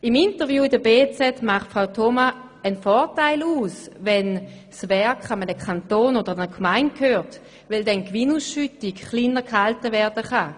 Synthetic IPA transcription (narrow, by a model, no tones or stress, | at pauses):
ɪmintəʁvjuːɪdəbeːt͡sɛtmaχtfʁaʊtʰoma | ənfɔːtaɪluːsvɛn | svɛɐkχamənəkʰantoːnodəʁanəkʰmaɪnt̚khøːʁt | vɛldɛnkvɪnuːsʃytɪkχlinəʁkhaltəvɛɐd̥əχa